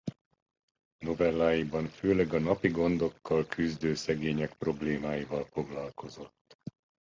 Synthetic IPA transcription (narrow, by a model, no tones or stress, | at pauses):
no̞vɛlːaːjibɒɱføːlɛɡɒnɒpiɡo̞nd̪o̞kːɒlkʰyzd̪øːsɛɡeːɲɛkpro̞bleːmaːjivɒlfo̞ɡlɒlko̞zo̞t̪ː